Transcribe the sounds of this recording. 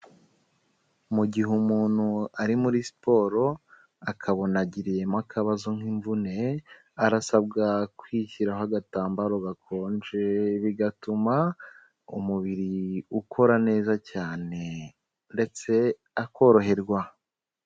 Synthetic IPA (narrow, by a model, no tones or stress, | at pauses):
muɟiɦumuːn̥huaɾimuɾisi̥po̞ːɾo̞ | akʰaβo̞naɟiɾije̞makʰaβazoŋ̥iɱvune̞ | aɾasab̚ɡakwiːçiɾaɦaɡataːmbaɾoɡakʰo̞ːnd͡ʒeβiɡatuma | ṵmuβiɾiukʰo̞ɾane̞ːzacaːne̞ | nde̞t͡se̞ | ako̞ɾo̞ɦe̞ɾɡwa